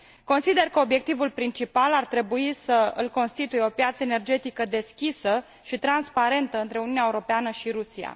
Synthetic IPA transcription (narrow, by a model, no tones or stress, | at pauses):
ko̞nsid̪e̞rkəo̞bje̞k̚t̪ivulpɾint͡ʃipalart̪ɾe̞buisəɨ̰lko̞nst̪it̪ujeo̞pjat̪səene̞rd͡ʒe̞t̪ikəd̪e̞skʲisə | ʃit̪ɾanspaɾe̞nt̪əɨnt̪ɾe̞uniunaeuɾo̞peanəʃiɾusia̰